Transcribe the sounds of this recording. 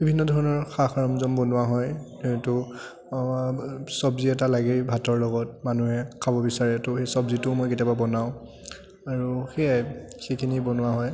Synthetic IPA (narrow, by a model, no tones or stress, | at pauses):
bibʱinːɔdʱɔɹɔnɔɹxaxaɹɔmzɔmbɔnʊwaɦɔj | etʊ | sɔbziɛtalaɡebʱatɔɹlɔɡɔtmanuɦɛkʰabɔbisaɹɛtʊxesɔbzitʊmɔjketjababɔnaʊ̃ | aɹuxejajxekʰinibɔnʊwaɦɔj